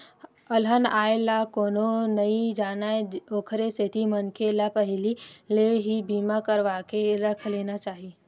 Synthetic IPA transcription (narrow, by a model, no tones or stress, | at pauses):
əlɦənaːelakoːnonəid͡ʒaːnaeoːkʰɾeset̪ʰimənkelapəɦlileɦibiːmakəɾʋakeɾəkʰleːnat͡ʃaːɦie